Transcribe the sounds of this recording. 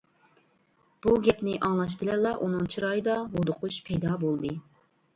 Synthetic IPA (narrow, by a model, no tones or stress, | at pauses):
b̥uɡʲɛpnɪʔɑŋlˠɑʃ̬bɪlɛlːˠɑʔunɨŋt͡ʃʰiɾɑːjɨd̪ɑɦod̪ʊqʰʊʃpʰɛjd̪ɑbolˠd̪ɨ